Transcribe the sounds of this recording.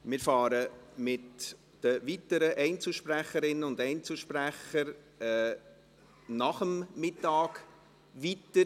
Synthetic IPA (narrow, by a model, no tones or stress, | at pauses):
mɪːɾfɑːɾəmɪt | d̥əvitəɾəʔɛɪnt͡suʃpɾæχəɾɪnːəʊndɛɪnt͡suʃpræχəɾ | ɛ | nɑχəmːɪtːɑːk | ʋitə